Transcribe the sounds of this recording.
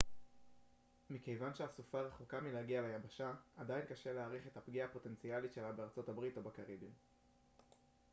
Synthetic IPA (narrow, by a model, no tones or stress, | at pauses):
mike̞jvanʃeasufaʁeχukamilaɡialajabaʃaadajinkaʃe̞leaʁiχe̞tapɡiaːpo̞te̞nt͡sialitʃe̞labeaʁt͡so̞tabʁit̪obakaʁibim